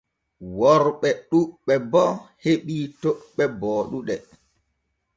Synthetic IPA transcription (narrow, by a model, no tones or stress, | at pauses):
wɔɾɓɛɗuɓɛbɔheɓitoɓːɛbɔːɗuɗɛ